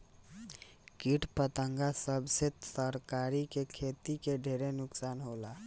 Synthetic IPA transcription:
kiʈpət̪əŋɡasəbset̪səɾkaɾikekʰet̪ikeɖʱeɾenʊksanɦola

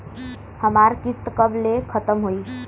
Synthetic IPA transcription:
həmaɾkist̪kəblekʰət̪əmɦoi

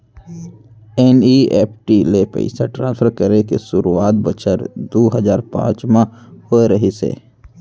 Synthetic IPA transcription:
ɛːnieːpʰʈilepə̰ɪsaʈɾãːnsfʰəɾkəɾekḛʃʊɾuaːt̪̚bət͡ʃəɾd̪oːɦəzaːɾpã̰ːt͡ʃmãhoːeɾəɦisḛː

